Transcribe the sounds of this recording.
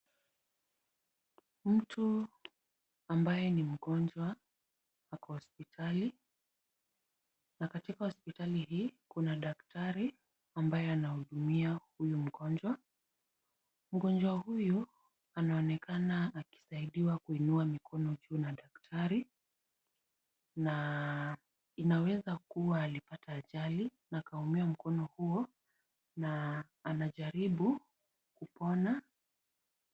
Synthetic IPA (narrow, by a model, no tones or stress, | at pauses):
m̩tʰu | ambajɛnim̩ɠɔnd͡ʒwa | hakɔhɔspitʰali | nakatikahɔspitalihiːkunaɗaktaɾi | ambajɛanahuɗumiahujum̩ɠɔnd͡ʒwa | m̩ɡɔnd͡ʒwahuju | anaɔnɛkanaːki̥saiɗiwakuinuamikɔnɔʄuːnaɗaktʰaɾi | na | inawɛzakuwaːlipataːʄalinakaumiam̩kɔnɔhuɔ | naː | naʄaɾiɓu | kupɔna